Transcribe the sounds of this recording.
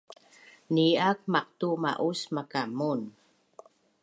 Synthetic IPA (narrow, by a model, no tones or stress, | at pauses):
niak̚maq̚tuma̰ʔusmakamun